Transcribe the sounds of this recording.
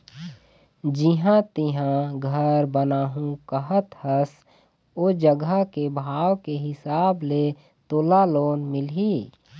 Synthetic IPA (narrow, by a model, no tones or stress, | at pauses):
d͡ʒɪɦãt̪ɪɦãɡʱəɾbənaːɦũkəɦət̪həs | oːd͡ʒəɡəkebʱaːwkeɦɪsaːble | t̪oːlaloːnmɪlɦi